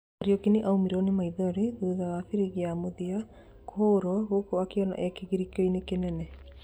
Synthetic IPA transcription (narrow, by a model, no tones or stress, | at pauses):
aɾiokiniʔaumiɾɔnemaiðɔɾiðuðaafiɾiɣiamoðia | kʰoːɾɔɣokoakeɔna̰ʔɛkeɣiɾikoinekenɛnɛ